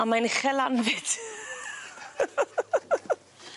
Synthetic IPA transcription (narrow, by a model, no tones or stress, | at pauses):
amajnχɛlanvɪt